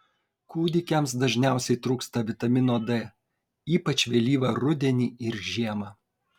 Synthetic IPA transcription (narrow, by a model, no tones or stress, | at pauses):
kuːd̪ʲɪkʲɛms̬d̪ɐʒʲnʲæˑʊsʲɛɪt̪ɾuːkst̪ɐʋʲɪt̪ɐmʲɪnoːd̪ɛː | iːpɐt͡ʃʲʋʲɛlʲiːʋɐɾʊd̪ʲɛnʲiːɪɾʒʲiɛmɐ